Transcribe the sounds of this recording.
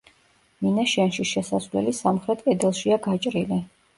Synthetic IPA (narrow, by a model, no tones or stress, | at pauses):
minaʃanʃiʃɛsasvlɛ̰lisamχɾɛt̪̚ʰʼkʼɛd̪ɛlˠʃiaɡat͡ʃʼɾili